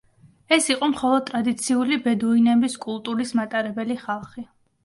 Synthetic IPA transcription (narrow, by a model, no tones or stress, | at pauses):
ɛsiqʼɔmχɔlˠɔd̪̚t̪ʼɾad̪it̪sʰiulibɛd̪uinɛbiskʼulˠt̪ʼuɾismat̪ʼaɾɛbɛliχalˠχi